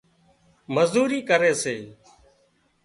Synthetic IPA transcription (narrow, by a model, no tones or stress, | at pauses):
məzd̪uːɾiːkəɾeːseː